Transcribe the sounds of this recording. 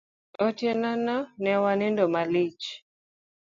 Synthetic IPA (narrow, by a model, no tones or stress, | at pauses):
otjenanɔnɛwanɪndomalɪt͡ʃ